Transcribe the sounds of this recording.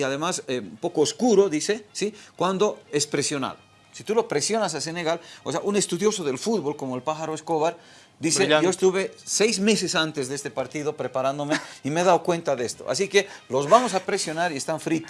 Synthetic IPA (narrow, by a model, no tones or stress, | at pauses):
aðe̞masempo̞koːskuɾo̞ðisesikwand̪o̞espɾesjo̞na̰l | sit̪ulo̞pɾesjo̞nas̬ase̞ne̞ɣaloseaʔune̞st̪uðjo̞soðe̞lfuðβo̞lko̞moelpaxaɾoeskoβaɾ | d̪ised͡ʒoest̪uβesejzmes̬esant̪ezðeest̪epaɾt̪iðopɾepaɾãnd̪omeimeðawkwe̞nt̪aðest̪oa̰s̬ikelo̞zβamos̬apɾesjo̞naɾiest̪aɱfɾit̪